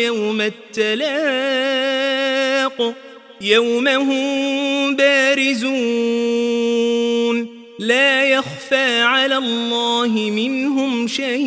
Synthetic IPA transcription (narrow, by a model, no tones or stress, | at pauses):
awmat̪ːalaː | q | jawmaɦʊmbaːɾɪzuː | n | laːjaxfaːʕalaːlˤːɑːhɪmɪnɦʊmʃaj